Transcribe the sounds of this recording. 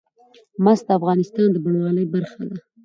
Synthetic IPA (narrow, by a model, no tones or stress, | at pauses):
mas̚d̪əafɣɑnɪst̪ɑnd̪əbaɳwɑləjbaɾxad̪a